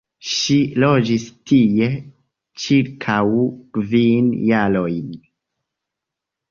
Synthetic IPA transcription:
ʃilo̞d͡ʒistʰije̞ | t͡ʃiɾkʰawkvinjalo̞jn

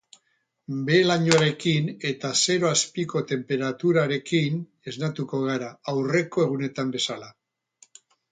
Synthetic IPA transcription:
be̞laɲoaɾe̞kine̞t̪ase̞ɾo̞aspiko̞t̪e̞mpe̞ɾat̪uɾaɾe̞kin | e̞znat̪uko̞ɣ̞aɾaːwre̞ko̞e̞ɣ̞une̞t̪ambe̞sala

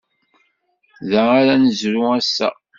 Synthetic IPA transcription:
ðæaɾænəzɾuæsːæ̰

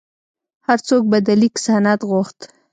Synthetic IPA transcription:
haɾt͡sok̚bad̪alikɪ̥sɑnat̪ɣʊxt̪

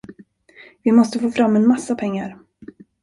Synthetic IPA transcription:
vɪmɔst̪əfoːfɾamːɛnmasːapʰɛŋːaɾ

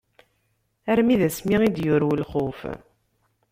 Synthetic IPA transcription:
æɾmiðæsmiid̪jʊɾwəlχof

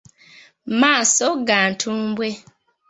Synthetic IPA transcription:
masoɡan̩tʰumbwe

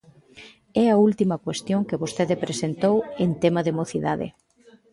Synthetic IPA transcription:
ɛɐult̪imɐkwest̪joŋkeβost̪eðɪpɾesent̪owent̪emɐðemoθiðaðɪ̰

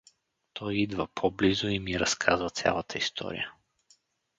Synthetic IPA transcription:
t̪ʰɔjid̪vəpʰɔblizoimiɾɐskʰazvət̪sʲja̰lˠət̪ʰəist̪ʰɔ̰ɾḭjə

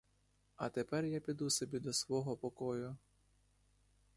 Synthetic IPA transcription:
ɐt̪epɛrjapʲid̪usɔbʲid̪ɔsʋɔɦɔpɔkɔjʊ

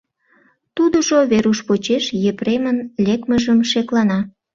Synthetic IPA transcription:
t̪ud̪əʒoβeɾuʃpot͡ɕeʃjepremənlʲekməʒəmʃeklɑnɑ

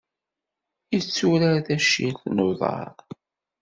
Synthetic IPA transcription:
ət͡sːuɾaɾθæʃilθnoðˤɑ̰ɾˤ

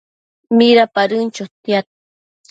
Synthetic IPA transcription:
miɾapaɾɨnt͡ʃot̪jat̪̚

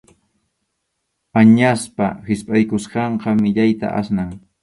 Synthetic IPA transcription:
aɲaspa̰hɪspʼajkʊsqɑɴqɑmɪʎajt̪a̰ʔa̰snaŋ

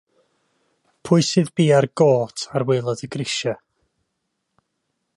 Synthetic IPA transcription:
pʰʊɨsɨðbiːarɡoːtʰarwɪlˠɔdəɡrɪʃa

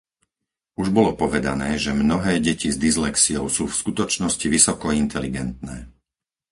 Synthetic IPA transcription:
uʒbɔlɔpɔʋɛd̪a̰nɛːʒɛmnɔɦɛːɟɛcizd̪izlɛksiɔʊsuːfskut̪ɔt͡ʃnɔsciʋisɔkɔint̪ʰɛliɡɛnt̪nɛː

